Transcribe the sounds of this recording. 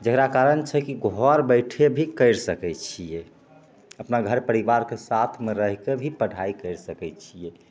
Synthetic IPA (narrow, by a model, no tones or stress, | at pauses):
d͡ʒəkɾakaɾənt͡ʃʰɛkiɡʱɔɾbəɪʈʰebʱikəɪɾsəkɛt͡ʃʰije | əpnaɡʱəɾpəɾiʋaɾkesat̪ʰmeɾəɦkebʱipəɽ̤ʱaikəɾsəkɛt͡ʃʰije